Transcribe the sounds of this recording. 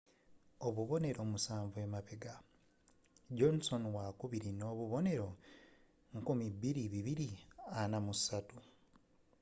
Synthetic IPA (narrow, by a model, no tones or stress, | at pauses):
oβuβo̞ne̞ɾo̞ːmusaːɱvue̞maβeɡa | ɟonso̞nwakuβiɾino̞ːβuβo̞ne̞ɾo̞ | ŋkumibiɾiβiβiɾianamusatu